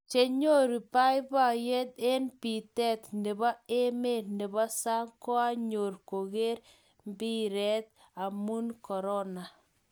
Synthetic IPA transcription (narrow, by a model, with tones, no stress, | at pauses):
t͡ʃe˦ɲo˦ɾi˨pa˦jba˦˨jɛ˦d̪e˦npi˨t̪ɛ˦t̪ne˨ba˦e˦me˦˨ne˨bɔ˦sa˦ŋkɔ˦a˦ɲo˨ɾko˨ɣe˦ɾ | mbi˦ɾɛ˦t̪̚ | a˨mu˦nkɔ˨ɾɔ˦na˨